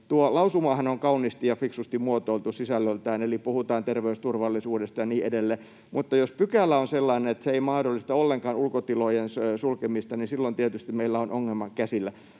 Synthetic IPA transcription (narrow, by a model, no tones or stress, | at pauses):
t̪uolɑusumɑːhɑnoŋkɑuniːst̪ijɑfiksust̪imuot̪oilt̪usisælːølt̪æːnelipuhut̪ɑːnt̪erʋeust̪urʋɑlːisuːdest̪ɑjɑniːedelːe | mut̪ːɑjospykælːæonselːɑinenet̪seeimɑhdolːist̪ɑolːeŋkɑːnulkot̪ilojensøsulkemist̪ɑnisilːont̪iet̪yst̪immeilːæonʔoŋːelmɑkkæsilːæ